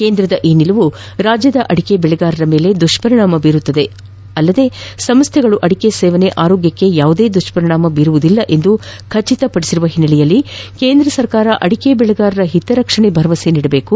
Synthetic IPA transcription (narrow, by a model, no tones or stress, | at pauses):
keːnd̪ɾɐd̪ɐʔiːnilɐʋu | ɾaːd͡ʒjɐd̪ɐʔɐɽikebɛɭɐɡaːɾɐɾɐme̞ːle̞d̪uʂpɐɾiɳaːmɐbiːɾut̪ːɐd̪e̞ | ɐlːɐd̪e̞sɐmst̪ʰɛɡɐɭuʔɐɽikesɛːʋɐne̞ʔaːɾoːɡjɐkːe̞jaːʋud̪e̞ːd̪uʂpɐɾiɳaːmɐbiːɾuʋud̪ilːɐʔe̞nd̪ukʰɐɾt͡ʃːit̪ɐpɐɽisiɾuʋɐɦinːɐɭijɐlːikeːnd̪ɾɐsɐɾkaːɾɐʔɐɽikebɛɭɐɡaːɾɐɾɐɦit̪ːɐɾɐkʂɐɳebʱɐɾɐʋɐseniːɽɐbe̞ːku